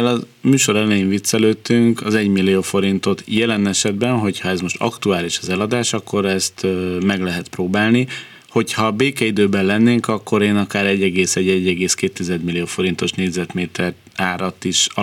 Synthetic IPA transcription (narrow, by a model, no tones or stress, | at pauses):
ɛlɒmyːʃo̞ɾɛlɛjiɱvit̪sːɛløːt̪ːyŋkɒzɛɟmilːioːfo̞ɾint̪o̞t̪jɛlɛnɛʃɛd̪bɛnɦo̞chɒɛzmo̞ʃt̪ɒ̰kt̪uaːliʃɒzɛlɒd̪aːʃɒkːo̞ɾɛst̪mɛɡlɛɦɛt̪proːbaːlni | ho̞chɒbeːkɛid̪øːbɛllɛnːeːŋkɒkːo̞ɾeːnɒkaːɾɛɟːɛɡeːsɛɟːɛɟːɛɡeːskeːt̪ːizɛd̪milːioːfo̞ɾin̪t̪o̞ʃneːɟʲzɛt̪meːt̪ʰɛr | aːɾɒt̪iʃɒ